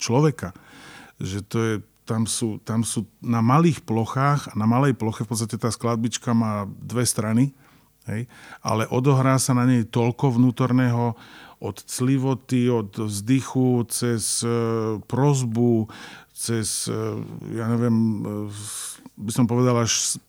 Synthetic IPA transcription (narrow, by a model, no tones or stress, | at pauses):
t͡ʃlɔʋɛka | ʒɛt̪ɔjɛ | t̪amsuːt̪amsuːnamaliːxplɔxaːxanamalɛjplɔxɛfpɔtt͡sst̪acɛt̪aːsklad̪̚bit͡ʃkamaːd̪ʋɛst̪ɾani | ɦɛjʔa̰lɛʔɔd̪ɔɦɾaːsanaɲɛjt̪ɔlkɔʋnuːt̪ɔɾnɛːɦɔʔɔt̪t͡sliʋɔt̪iɔt̪vzd̪ixut͡sɛs | pɾɔzbut͡sɛs | jaːɲɛʋɪɛm | bisɔmpɔʋɛd̪alaʃ